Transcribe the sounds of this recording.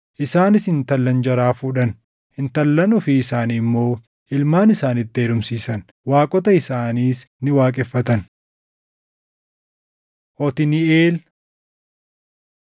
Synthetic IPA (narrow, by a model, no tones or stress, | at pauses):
ʔɪsaːnɪsɪnt̪ɐlːɐnd͡ʒɐɾaːfuːᶑɐn | hɪnt̪ɐlːɐnɔfɪːsaːnɪmːo̞ː | ʔɪlmaːnɪsaːnɪt̪ːeːlʊmsiːsɐn | waːkʼɔt̪ɐɪsaːniːs | nɪwaːkʼɛfːɐt̪ɐn | ʔɔt̪ɪnɪeːl